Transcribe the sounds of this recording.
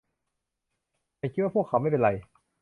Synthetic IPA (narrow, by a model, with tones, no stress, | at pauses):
a˧˩kʰt̪wa˥˩pʰəkʰːa˦wma˥˩jpe˧nɾa˧j